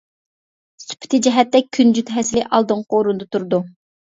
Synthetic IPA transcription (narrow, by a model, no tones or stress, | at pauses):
sy̥pʰɪ̥t̪ʰɪd͡ʒɛɦɛt̪ːɛkʲʰːynd͡ʒyt̪ɦɛsɪlɪʔɑlˠd̪ɨŋqoɾund̪ɨt̪ʰuɾd̪u